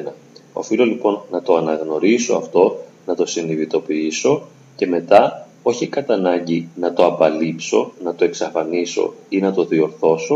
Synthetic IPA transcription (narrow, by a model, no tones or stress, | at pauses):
nɐ | o̞̰filo̞lipo̞nːɐt̪o̞ɐnɐɣno̞ɾiso̞ɐft̪o̞ | nɐt̪o̞siniðit̪o̞piiso̞ | ce̞me̞t̪ɐ | o̞çikɐt̪ɐnɐɲɟinɐt̪o̞ɐbɐlipso̞̰nɐt̪o̞e̞ksɐfɐniso̞̰inɐt̪o̞ðio̞ɾθo̞so̞